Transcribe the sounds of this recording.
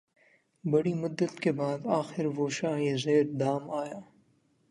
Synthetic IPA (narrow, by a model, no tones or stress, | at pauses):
bɐɽimʊd̪ːət̪kebaːd̪aːxɪɾʋoʃaːɦizeːɾd̪aːmaːjaː